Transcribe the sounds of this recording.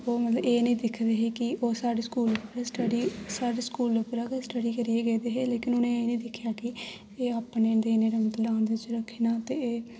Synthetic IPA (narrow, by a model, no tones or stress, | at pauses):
oːmət̪ləbeːnəĩːd̪ɪkʰd̪eːɦeːkɪoːsaːɖeːskuːlpɾsʈəɖiːsaːɖeːskuːlopɾaːksʈəɽiːkəɾiːeːɡeːd̪eːɦeːleːkɪnʊnẽːeːnĩːd̪ɪkʰːjaːkɪ | eːaːpneːnd̪iːneːɾeːmət̪ləãːnd̪eːɪt͡ʃɾəkʰːeːnaːt̪eːeː